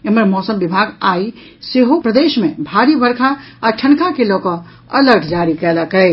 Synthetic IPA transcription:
eməɾmɔːsəmbɪbʱaːɡaːi | seɦopɾəd̪eːʃmẽbʱaɾibəɾkʰaaʈʰəɳkakelɔːkɔ̃ | ələɾɡʰd͡ʒaːɾikɛləkɛɪ

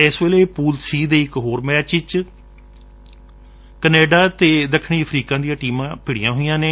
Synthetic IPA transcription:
eːsʋeːleːpuːlsiːd̪eːɪkɦoːɾmɛːt͡ʃɪt͡ʃ | kəneːɖaːt̪eːd̪əkʰɳiːəpʰɾiːkãːd̪ijãːʈiːmãːpɪɽɪjãːɦoijãːneː

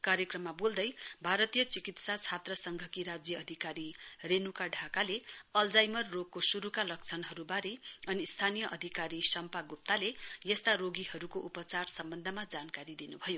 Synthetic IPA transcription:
kaɾjekrʌmːabold̪ʌjbʱaɾʌt̪ijʌt͡sikit̪sat͡sʰat̪rʌsʌŋɡʱʌkiɾad͡zjʌːd̪ʱikaɾirenukaɖʱakaleʌld͡zajmʌrːoɡ̚kosuɾukalʌk̚t͡sʰʌnɦʌɾubaɾeʌnist̪ʰanijʌʔʌd̪ʱikaɾisʌmpaɡup̚t̪alejʌst̪aɾoɡihʌɾukoʔupʌt͡sarsʌmbʌnd̪ʱʌmad͡zankaɾid̪inubʱʌjo

